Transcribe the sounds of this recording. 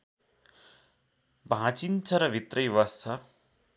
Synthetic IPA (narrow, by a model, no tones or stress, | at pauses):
bʱãt͡sint͡sʰʌɾʌbʱit̪rʌjwʌst͡sʰʌ